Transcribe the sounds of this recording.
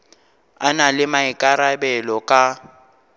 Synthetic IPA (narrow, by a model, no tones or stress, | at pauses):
analɪmaɪkʼaɾabɛlɔkʼa